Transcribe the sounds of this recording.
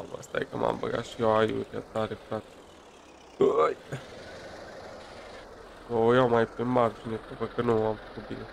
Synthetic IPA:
amə̰st̪ajḛkəmʔa̰mbə̰ɡa̰t̪ʃieoajṵɾia̰t̪aɾefɾat̪se̥ | əj | ojawmajpemard͡ʒinet̪uvəkənuamfə̥kut̪̚bine

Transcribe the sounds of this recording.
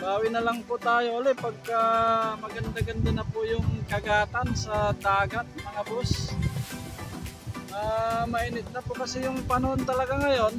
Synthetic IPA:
baːwɪnɐlaŋpʊt̪aːjoʔoːlɛpɐɡ̚kamɐɡɐnd̪aɡɐnd̪anɐpʊjʊŋkɐɡaːt̪ansɐd̪aːɡat̪̚mɐŋabos | ʔaːmɐʔinɪt̪̚nɐpʊkɐsɛjʊŋpɐnoʔont̪ɐlɐɡaŋɐjon

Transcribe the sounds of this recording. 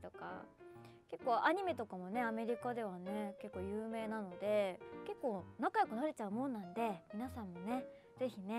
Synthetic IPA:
t̪o̞ka̰ke̞kːo̞ːʔaɲ̟ime̞t̪o̞kamo̞ne̞ame̞ɾʲikad̪e̞β̞ane̞ke̞kːoːjɯ̟ːme̞ːnano̞d̪e̞ke̞kːo̞ːnakajo̞kɯ̟naɾe̞t͡ɕaɯ̟mõ̞nːãnd̪e̞mʲinasãmːo̞ne̞ | ze̞çine̞

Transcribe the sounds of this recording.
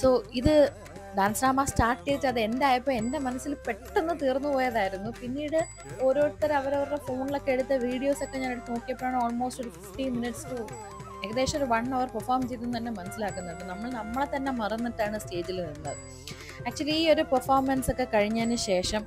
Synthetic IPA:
so̞ːiðɨ | d̪aːnsnaːmaːstaːrʈːiiʈːɐðɨe̞nd̪aːjɐpːoːe̞nd̪emɐnɐsːilpe̞ʈːenːɨt̪iːrnːupo̞ːjɐðaːjiɾunːupinːiːɽɨ | o̞ːɾo̞ːɽɨt̪ːɐɾɐʋɐɾɐʋɐɾɽefo̞ːɳiɭo̞kːeeɻut̪ːɐʋiːɽijo̞ːso̞kːe̞ɲaːneɽuk̪ːnoːkːijɐpːoːjaːɳɨoːlmo̞ːsʈoɾufifʈiminiʈsʈu | eɣɐðe̞ːʂɐmoɾuʋɐɳːɐʋɐrpɐrfaːrmt͡ɕe̞jt̪unːut̪ɐnːe̞mɐnɐsːilaːkːunːɐðɨnɐmːɐɭnɐmːɐɭet̪ɐnːe̞mɐrɐnːiʈːaːɳɨste̞ːd͡ʑilninːɐðɨ | aːk̚t͡ɕuɐliiːo̞ɾupɐrfaːrmɐnso̞kːe̞kɐɻiɲːaːnɨɕe̞ːʂɐm

